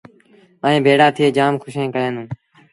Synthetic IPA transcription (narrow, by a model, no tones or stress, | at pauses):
əːẽːbʱeːɽaːt̪ʰɪeːd͡ʒaːmkʰʊʃẽːkəɾẽːnũː